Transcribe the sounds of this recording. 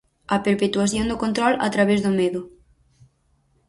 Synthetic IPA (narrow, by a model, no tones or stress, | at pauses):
ɐpeɾpet̪waθjond̪ʊkont̪ɾɔla̰t̪ɾaβezðʊmeðʊ